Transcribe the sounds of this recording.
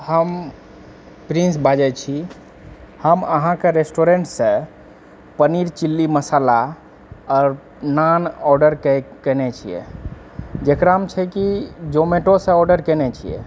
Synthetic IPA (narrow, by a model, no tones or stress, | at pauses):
həm | pɾĩnsbʱad͡ʒɛt͡ʃʰi | həməɦãkeɾesʈoɾeɳʈsə̃ | pəniɾt͡ʃilːiməsala | ɔɾ | nanɔɾɖəɾkɛkənɛt͡ʃʰijɛ̰ | d͡ʒekɾaɦəmt͡ʃʰɛkid͡ʒomeʈosə̃ɔɾɖəɾkɛnɛt͡ʃʰijɛ̰